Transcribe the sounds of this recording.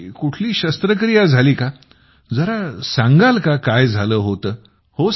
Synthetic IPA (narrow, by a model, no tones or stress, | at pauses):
kuʈʰliːɕəst̪ɾəkɾijad͡zʱaliːka | d͡zəɾasãŋɡalkakajd͡zʱaləːɦot̪əː | ho